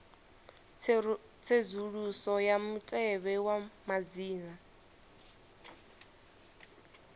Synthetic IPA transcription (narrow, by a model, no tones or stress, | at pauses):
t͡sʰezuɺusɔjamutʼɛβɛwamad͡ziːna